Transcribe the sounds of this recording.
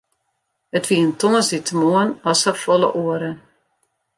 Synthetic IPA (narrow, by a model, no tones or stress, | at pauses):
ətʋiəntɔŋəsditəmoənɔsəfɔlˠə̰ʔoəɾə